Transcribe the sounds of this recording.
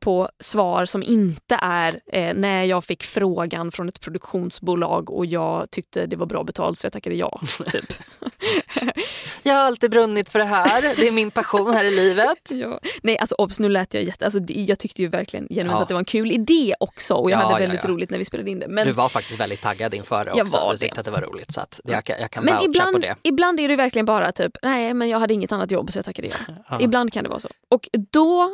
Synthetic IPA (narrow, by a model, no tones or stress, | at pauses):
pʰɔsvɑːɾsɔmʔɪnt̪əʔæɾnæjɑːɡfɪkːfɾoːɡanfɾɔnɛt̪pʰɾʊd̪ɵkɧuːnsbuːlɑ̰ːɡɔ̰jɑːɡt̪ʰʏk̚t̪ʰəd̪ɛvaɾbɾɑ̰ːbɛt̪ʰɑ̰ːlt̪sɔjat̪ʰakːad̪əjɑ̰ːy̰ːp | jɑːɡhaɾalt̪iːbɾɵnːɪt̪fœɖɛɦæːɾd̪ɛæɾmɪnpʰaɧuːnhæːɾɪliːvət̪jɑːnɛjʔalsɔʔɔbsnʉ̟ːlɛːt̪əjɑ̰jɛt̪ʰːəals̬ɔd̪ɛjɑːɡt̪ʰʏkt̪əjʉvæɾklɪɡə̰njɛnʉɛnat̪d̪ɛvɾɛnkʰʉ̟ːlɪd̪eːɔksɔ̰ɔjɑːɦadːɛvɛld̪ɪt̪ɾuːlɪɡt̪næɾvɪspeːlad̪əɪnd̪ɛmɛnd̪ɵvaɾfak̚t̪ɪ̥st̪vɛ̰ld̪ɪt̪ʰːa̰ɡːad̪ɪnfœ̰ːɖɛ̰jɑːvɔa̰t̪ʰɪ̰kt̪əat̪d̪ɛva̰ɾṵːlɪ̰t̪sɔa̰t̪ːjɑ̰kʰanmɛnɪblanɔd̪d̪ɛ̰ɪbland̪æɖɛɪjʉvæɾklɪɡənbɑːɾat̪ʰyːpnɛːmɛnjɑːhad̪ːəɪŋːət̪anːat̪jɔ̰bːsɔjɑːt̪akːad̪ə̰jɑ̰ːɡɪbland̪̚kʰand̪ɛ̰vɑ̰ːsɔ̰ː | ɔkd̪ɔ